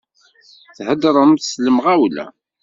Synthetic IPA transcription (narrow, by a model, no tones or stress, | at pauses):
θhəd̪ɾˤəmθsləmʁæwlæ̰